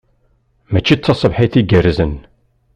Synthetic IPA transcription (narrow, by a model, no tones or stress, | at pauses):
mæt͡ʃːit͡sːɑsˤəbħiθiɡərzən